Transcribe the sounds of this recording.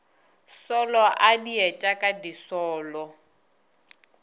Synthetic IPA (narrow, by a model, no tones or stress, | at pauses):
sɔlɔʔadiɛt͡ʃʼakʼadisɔːlɔ